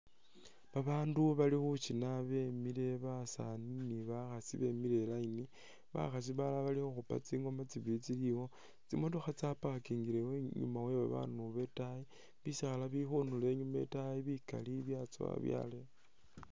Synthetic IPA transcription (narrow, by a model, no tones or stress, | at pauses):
βaβaːnduβalixut͡ʃinaβe̞mile̞βasa̰niniβaxasiβe̞mile̞laini | βa̰xas̬iβalaβalixoxupa̰t͡siːŋɡo̞mat͡siβiit͡siliwo̞ | t͡sḭmotoxat͡sapaakiːŋɡileweɲṵmawe̞βa̰βa̰nuβe̞tai | βisixalaβixunule̞ːɲumae̞̰taiβika̰liβjat͡so̰a̰βja̰le